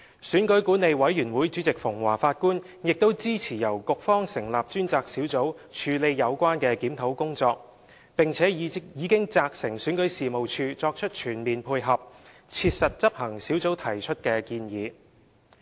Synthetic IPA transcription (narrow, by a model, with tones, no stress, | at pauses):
syː˨˥nkɵ˨˥jkuː˨˥ne˨˧jwɐ˨˥jyː˨˩nwuː˨˥jt͡ʃy˨˥t͡sɪ˨k̚fʊ˨˩ŋwa̰ː˨˩faː˧t̚kuː˥n | jɪ˨k̚t̪o˥wt͡siː˥t͡sʰiː˨˩jɐ˨˩wkʊ˨k̚fɔː˥ŋsɪ˨˩ŋlaː˨p̚t͡ʃyː˥nt͡saː˧k̚siː˨˥wt͡so˨˥w | t͡ʃʰyː˨˧le˨˧jjɐ˨˧wkʷwaː˥nkɛː˧kiː˨˥mt̪ʰo˨˥wkʊ˥ŋt͡sɔː˧k̚ | pɪ˨ŋt͡sʰɛː˨˥jiː˨˧kɪ˥ŋt͡saː˧k̚sɪ˨˩ŋsyː˨˥nkɵ˨˥jsiː˨mo˨wt͡ʃʰyː˧t͡sɔː˧k̚t͡ʃʰɵ˥t̚t͡ʃʰyː˨˩nmiː˨npʰuː˧jɦɐ˨p̚t͡sʰiː˧t̚sɐ˨t̚t͡sɐ˥p̚hɐ˨˩ŋsiː˨˥wt͡so˨˥wt̪ʰɐ˨˩jt͡ʃʰɵ˥t̚kɛː˧kiː˧njiː˨˧